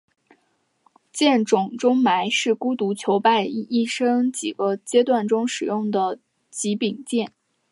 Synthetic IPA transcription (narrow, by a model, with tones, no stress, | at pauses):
t͡ɕjɛ˥˩nʈ͡ʂʊ˨˩ŋʈ͡ʂʊ˥ŋma˧˥ɪʂɻ̩˥˩ku˥t̪u˧˥t͡ɕʰjo˧˥ʊpa˥˧ɪi˥˩ʂɤ˥ŋt͡ɕi˨˩ɡ̥ə˦t͡ɕjɛ˥t̪wa˥˩nʈ͡ʂʊ˥ŋʂɻ̩˨˩jʊ˥˩ŋd̪ə˩ | t͡ɕi˧˥pi˨˩ŋt͡ɕjɛ˥˩n